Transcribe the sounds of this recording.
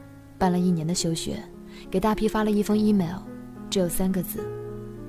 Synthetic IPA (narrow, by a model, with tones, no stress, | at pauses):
pa˥˩nlə˨˩i˥˩njɛ˧˥nd̪ə˧ɕjo˥ʊɕɥɛ̰˧˥ | ke˨˩ɪt̪a˥˩pʰi˥fa˥lə˨i˥˩fɤ˥ŋi˥mɛ˧˥ʊʈ͡ʂɻ̩˥jo˨˩ʊsa˥nɡə˨˧t͡sɹ̩˥˩